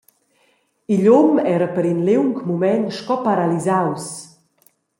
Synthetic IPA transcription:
iʎumɛɾəpəɾinlewŋkmumɛnʃkɔpaɾalizaws

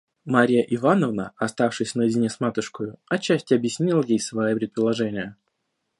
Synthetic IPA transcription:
maɾʲɪjəʔɪvanəvnəɐst̪afʂɨsʲnəjɪdʲɪnʲesmat̪ʊʂkəjʊɐt͡ɕːæsʲtʲɪɐbjɪsʲnʲilˠəjejsvɐjipɾʲɪt̪pəlˠɐʐɛnʲɪjə

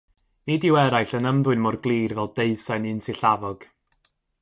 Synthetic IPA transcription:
nidɪwɛɾajɬənəmðwʊɨnmɔrɡlˠiːrvɛlˠdeɨsajnɨnsiɬavɔɡ̥

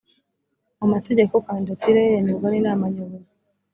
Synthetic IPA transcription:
amateɟe̞kokaːndatiɾejeniɾɡwaninaːmaɲoβozi

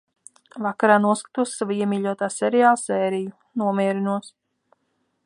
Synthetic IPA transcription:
vakaɾaːnuɔskḁt̪uɔsʲːavuiɛmʲiːʎʲuɔt̪aːsɛɾijaːlˠsɛːɾiju | nuɔmʲiːɾinuɔs

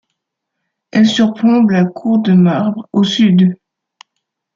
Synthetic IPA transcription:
ɛlsyʁpχɔ̃blakʰuʁd̪əmaʁbʁosyd̪

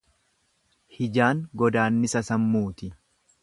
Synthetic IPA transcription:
hɪd͡ʒaːŋɡɔd̪aːnːɪsɐsɐmːuːt̪ɪ

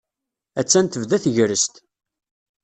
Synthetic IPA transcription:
æt͡sːænt̪əvðæθʝɾəst̪

